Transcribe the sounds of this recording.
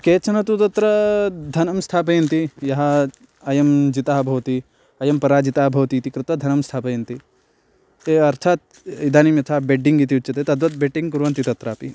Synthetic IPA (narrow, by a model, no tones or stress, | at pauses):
keːt͡ʃʰɐnɐt̪ut̪ɐt̪ɾɐd̪ʱɐnɐmst̪ʰaːpɐjɐnt̪ijɐɦɐ | ɐjɐmd͡ʒit̪aːɦɐbʱɐʋɐt̪i | ɐjɐmpɐɾaːd͡ʒit̪aːɦɐbʱɐʋɐt̪iːt̪ikɾɪt̪ʋɐd̪ʱɐnɐmst̪ʰaːpɐjɐnt̪i | eɐɾt̪ʰaːt̪̚ | id̪ʱaːnimjɐt̪ʰaːbeɖiŋɡit̪iut͡ʃt͡ʃːɐt̪et̪ɐd̪ʋɐt̪̚beʈiŋkuɾʋɐnt̪it̪ɐt̪ɾaːpḭ